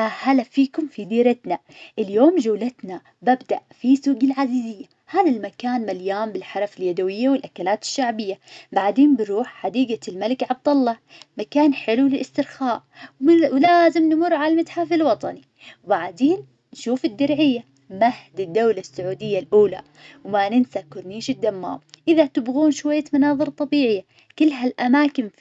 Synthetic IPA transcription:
ʔhalafiːkʊmfid̪iːɾɪt̪na | ʔɪljoːmd͡ʒawlat̪na | babd̪aʔfisuːɡɪlʕazizɪjːa | haːðalmakaːnmaljaːmbɪlħɑɾˤɑfɪljad̪awɪjːawɪlʔakalaːt̪ɪ̥ʃːaʕbɪjːabaʕd̪eːnbɪɾuːħħad̪iːɡalmalɪkʕab̚d̪ɑlˤːɑ | makaːnħɪlulɪlʔɪst̪ɪɾxaːʔ | wwlaːzɪmnmʊɾˤːʕalalmat̪ħafɪlwɑt̪ˤɑni | wbaʕd̪eːn | nʃuːfɪd̪ːɪɾʕɪjːa | mahd̪ɪd̪ːawlasːʊʕuːd̪ɪjːalʔuːla̰ | wmanɪnsakʊɾˤniːʃɪd̪ːamːa̰ːmʔɪðat̪ɪbɣuːnʃwajːamanɑːðˤɨɾˤt̪ˤɑbiːʕɪjːa | kɪlːɦalʔamaːkɪm

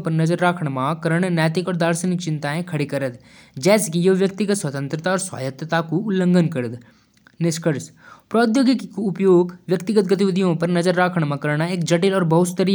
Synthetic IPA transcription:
pɐɾnɐzəɾːaːkʰɽ̃mãkɐɾəɽ̃njɛːt̪ɪkɔːɾd̪aːɾsənɪk̚t͡ʃɪ̃nt̪aẽkʰɐɽekɐɾət̪ | d͡ʒɛːsekijoʋjək̚t̪ɪɡət̪swɐt̪ə̃nt̪ɾət̪aɔːɾswa̰ːjət̪ət̪akuʊlːə̃ŋɡənkəɾəd̪ | nɪʃkəɾs | pɾɔːd̪joːɡɪkkuʊpjoːɡʋjɐkt̪ɪɡət̪̚ɡət̪ɪʋɪd̪ʱijõpɐɾnɐzəɾːaːkʰɽ̃mãkəɾɽ̃aeːkd͡ʒɐʈɪlɔːɾbɐɦʊt̪st̪əɾi

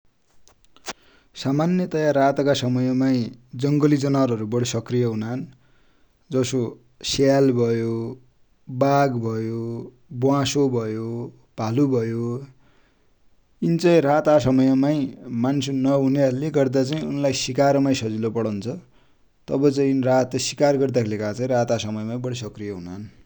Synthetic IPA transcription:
samanjʌt̪ʌjarat̪kasʌmʌjʌmaĩd͡zʌŋɡʌlid͡zʌnaɾʌɾubʌɽisʌkrijʌɦunan | d͡zʌso | salbʱʌjo | baɡbʱʌjo | bwãsobʱʌjo | b̥ʱalubʱʌjo | int͡saĩrat̪asʌmʌjʌmajmansonʌɦuneʌɾuleɡʌrd̪at͡saĩunlajsikaɾmaj̃sʌd͡zilopʌɽʌnt͡sʰʌ | t̪ʌbʌt͡saĩrat̪sikarɡʌrd̪akʰelekat͡saĩɾat̪asʌmʌjmaj̃bʌɽis̬ʌkrijʌɦunaʌn

